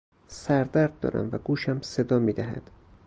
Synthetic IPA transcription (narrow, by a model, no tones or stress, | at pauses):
sæɾd̪æɾd̪̚ːɒ̰ːɾæ̰mvæɡuːʃæmse̞d̪ɒːmiːd̪æɦæ̰d̪̥